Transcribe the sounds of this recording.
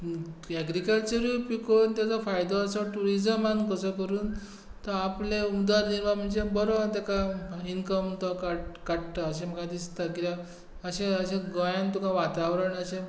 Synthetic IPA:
ɛɡɾikəlt͡ɕəɾupikont̪jat͡sɔfajd̪ɔəsɔʈuɾid͡ʑəmankəsɔkəɾuːn | t̪ɔapleumd̪ʋaɾd͡ʑinʋam̤əɳd͡ʑebɔɾɔt̪akainkəmt̪ɔkakaɽʈ̪əəɕẽm̤əɡãd̪ist̪akit̪a | əɕeəɕẽɡɔ̃jãnt̪ukaʋat̪aʋɾəɳəɕẽ

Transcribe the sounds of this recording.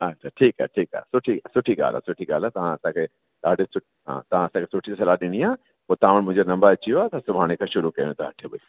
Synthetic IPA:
ɐtːʃʰaʈʰiːkɦɛ̰ʈʰiːkɛ̰ːsʊʈʰisʊʈʰiɡa̰ːla̰sʊʈʰiɡa̰ːlat̪ɐʋ̤ãɐsãːkʰe | ɗaːɖesʊʈ | ɦã̰ːt̪ɐʋ̤ãɐsãkʰesʊʈʰisɐlaːɗɪɽ̃iãː | ot̪ãːʋəɽmʊ̃ɦd͡ʒonɐ̃mbəɐt͡ʃʰioaːt̪asʊbʱaːɽ̃ekʰaʃʊɾukɐ̃ẽt̪aɦɐʈʰeboi

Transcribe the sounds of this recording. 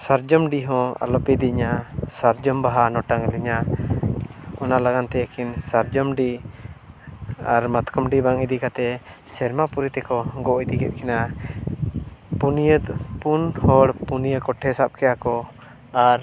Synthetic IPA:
saɾd͡ʒɔmɖiɦɔ̃a̰lɔpɛd̪iɲasaɾd͡ʒɔmbaɦanɔʈaŋliɲa | ɔnalaɡant̪ɛəkʰinsaɾd͡ʒɔmɖi | aɾmat̪kɔmɖibaŋid̪ikat̪ɛ | sɛɾmapuɾit̪ɛkɔɡɔid̪ikɛ̰t̪̚ˀkɛna | punijəd̪punhɔɽpunijəkɔʈʰːɛsap̚kɛjakɔ | aɾ

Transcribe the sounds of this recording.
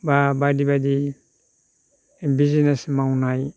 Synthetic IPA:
babadibadi | bizinesmawnaj

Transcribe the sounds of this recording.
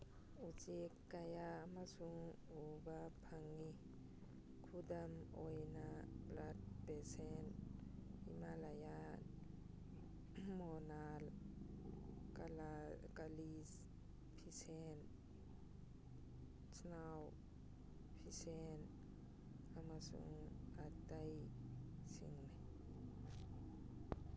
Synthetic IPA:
ut͡ʃekːajamasuŋ | ubapʰaŋi | kʰudamɔjnaplat̚pɛsɛn | ḭmalajan | mɔnal | kalakalis | pʰisen | snaw | pʰisen | amasṵŋat̪aj | sḭŋn

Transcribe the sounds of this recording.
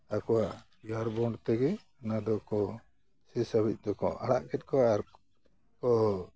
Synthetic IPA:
akɔwaʔ | jaɾbɔɳɖt̪ɛɡɛ | anad̪ɔkɔ | sisabic̚ˀd̪ɔkɔ̰ʔaɽa̰ʔkɛt̪̚kɔaɾ | kɔ

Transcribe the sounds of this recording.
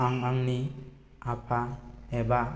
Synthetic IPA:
aŋaŋni | apʰaeba

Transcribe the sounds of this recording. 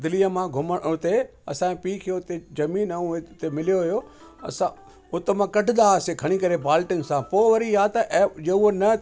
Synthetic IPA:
d̪ɪlijəmãɡʱʊməɽʊt̪e | ɐsãpiːkʰijot̪ezɐmiːnɐũt̪emɪlijoɦʊjo | ɐ̰sã | ʊt̪emãkɐʈʰɪ̆d̪aɐsekʰɐɽ̃ikɐɾebaːlʈɪnɪ̆sãpoːʋɐɾiaːt̪ɐʔɛd͡ʑeuonɐ

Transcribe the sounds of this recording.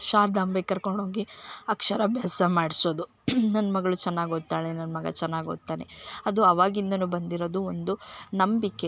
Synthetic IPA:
ʃaːɾd̪aːmbɐkɐɾkoɳɖoːɡiɐkʂɐɾɐbʱjaːsɐmaːɽisoːd̪u | nɐnːɐmɐɡɐɭut͡ʃɛnːaːɡot̪ːaːɭenɐnɐmɐɡɐ̰t͡ʃɛnːaːɡioːt̪ːaːneɐd̪uɐʋaːɡind̪ɐnubɐnd̪iɾoːd̪uond̪unɐmbikːe̞

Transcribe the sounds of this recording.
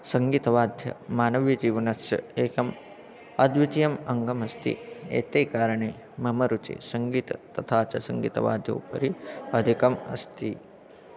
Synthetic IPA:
sɐŋɡiːt̪ɐʋaːd̪ʱjɐ̰maːnɐʋjɐd͡ʒiːʋɐnɐɐ̰eːkɐm | ɐd̪ʋit̪ijɐmɐŋɡɐmɐst̪ḭḛːt̪eːkaːɾɐɳeː | mɐmɐɾut͡ʃḛːsɐŋɡiːt̪ɐt̪ɐt̪ʰaːt͡ʃɐsɐŋɡḭːt̪ɐ̰ʋa̰ːd̪ʱjɐ̰wpɐ̰ɾiɐd̪ʱikɐmɐ̰st̪i

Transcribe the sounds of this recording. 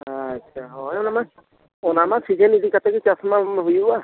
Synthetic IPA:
at͡ʃʰaɦɔjnama | ɔnamasʰid͡ʒɛnidikat̪akit͡ʃasmabujua

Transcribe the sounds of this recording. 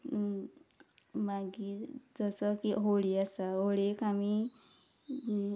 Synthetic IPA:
maɡiːɾd͡zəsəkiɦoɽiasaɦoɽekami

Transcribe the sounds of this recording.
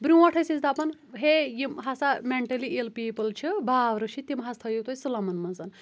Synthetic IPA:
bɾjũɐʈʰɐsit͡sʲd̪apɐnɦejimɦɐsameɳʈɐlielpiːpɐlt͡ʃʰibʱaːʋɾɨʃʰit̪imɦɐst̪ʰɐjut̪osɨlɐmɐnmɐnzɐn

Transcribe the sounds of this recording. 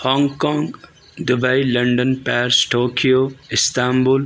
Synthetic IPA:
hɔ̃ːŋɡkɔ̃ːŋɡ | d̪ʊbailɐ̃ɳɖənpɛːɾsʈoːkʰijoɪst̪aːmbʊl

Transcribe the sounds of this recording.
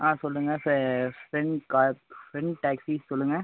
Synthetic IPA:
ãːsɔlːɯŋɡɐffɾɛɳɖkaːfɾɛɳɖʈaːksissɔlːɯŋɡɐ

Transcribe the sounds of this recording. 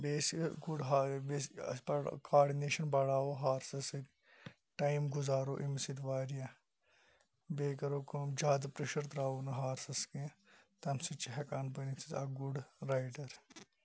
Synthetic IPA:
beːsɡuɖɦabepɐkaːɾɖineːʃɐnbɐɽaːoɦaːɾsɐsik | ʈaːimɡʊzaːɾoːʔimsit̪ʋaːɾijã | beːkɐɾoːkmd͡ʒaːd̪pɾeʃɐɾt̪ɾaːonɐɦaːɾsɐskẽt̪ɐmsit͡ʃiɦɐkaːnpɐnit̪ʰit̪a̰ːɡuɖɾaːjɖɐɾ

